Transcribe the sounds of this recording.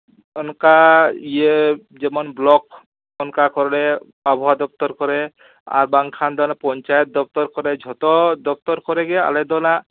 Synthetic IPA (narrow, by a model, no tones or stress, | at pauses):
ɔnkaije | d͡ʒɛmɔnblɔk | ɔnkakɔɾlɛ | abʱɔwad̪ɔp̚t̪ɔɾkɔɾɛ | a̰ɾbaŋkʰand̪ɔnapɔnt͡ʃajɔt̪̚d̪ɔp̚t̪ɔɾkɔɾɛd͡ʒʱɔt̪ɔd̪ɔp̚t̪ɔɾkɔɾɛɡɛa̰lɛd̪ɔna